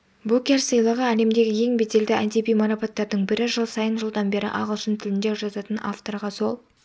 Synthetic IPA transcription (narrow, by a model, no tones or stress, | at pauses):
bukʲe̞rsəjlˠɑʁəæle̞md̪e̞ɡʲɪje̞ŋbed̪e̞ld̪ɪænt̪ibijmɑɾɑpɑt̪ːɑɾd̪əɴbɪɾɪʒəlˠsɑjənʒəlˠd̪ɑnbe̞ɾɪ̰ʔɑ̰ʁəlˠʃənt̪ʰɪlɪnd̪e̞ʒɑzɑt̪ənɑ̰ft̪o̞rɾʁɑso̞lˠ